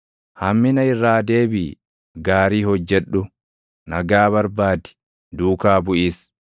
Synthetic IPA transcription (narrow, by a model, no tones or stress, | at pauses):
hɐmːɪnɐɪrːaːd̪e̞ːbḭː | ɡaːɾiːhɔd͡ʒːɛᶑʊ | nɐɡaːβɐɾbaːd̪ɪ̥ | d̪uːkaːbʊʔiːs